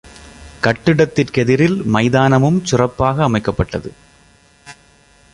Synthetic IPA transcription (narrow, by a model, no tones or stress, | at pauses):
kɐʈːɪɽɐt̪ːɪrkɛðɪɾɪlmɐɪðaːnɐmɯmsʊrɐpːaːɣɐːmɐɪkːɐpːɐʈːɐðɯ